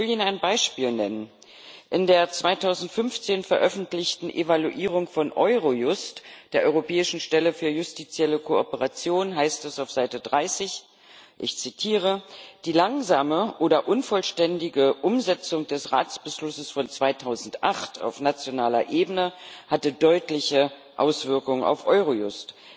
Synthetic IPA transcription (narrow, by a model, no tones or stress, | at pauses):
vɪliːnaɪnbaɪʃpiːlnɛnən | ʔɪndeːɐt͡sv̥aɪtʰaʊzn̩tfʏnft͡seːnfɛɐʔœfn̩tlɪçtn̩ʔevaluʔiːʁ̞ʊŋfɔnʔɔʏʁojʊstd̥eːɐʔɔʏʁopʰɛːɪʃn̩ʃtɛləfyːɐjʊstit͡sjɛləkʰoɔpəʁat͡sjoːnɦaɪstɛsaʊfz̥aɪtədʁaɪsɪç | ʔɪçt͡sitʰiːʁ̞əd̥iːlaŋzaːməʔoːdɐʔʊnfɔlʃtɛndɪɡəʔʊmzɛt͡sʊŋd̥ɛsʁa̰ːt͡sb̥əʃlʊsəsfɔnt͡sv̥aɪtʰaʊzn̩tʔaχtʰa̰ʊfnat͡sjonaːlɐ̰ʔeːbənəhatədɔʏtlɪçə | ʔa̰ʊsv̥ɪɐkʊŋəna̰ʊfʔɔʏʁojʊst